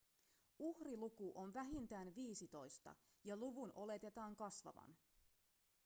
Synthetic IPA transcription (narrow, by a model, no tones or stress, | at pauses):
uhrilukuʔonʋæɦint̪æːnʋiːsit̪o̞jst̪ɑ̰ | jɑluʋunʔo̞le̞t̪e̞t̪ɑːŋkɑsʋɑ̰ʋɑ̰n